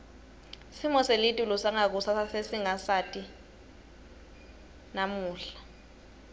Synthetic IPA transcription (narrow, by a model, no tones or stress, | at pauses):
simɔselitʼulusaŋak̬usasesiŋasatʼi | namuːɬḁ